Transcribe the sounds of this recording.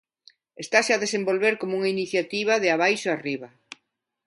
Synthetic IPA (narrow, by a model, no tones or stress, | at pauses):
est̪aʃaðesembolβeɾkomuŋainiθjat̪iβ̞aðɪaβajʃoariβ̞a